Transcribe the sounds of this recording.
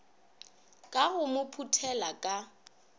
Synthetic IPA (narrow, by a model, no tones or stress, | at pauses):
kʼaɣʊmʊpʰutʰɛlakʼa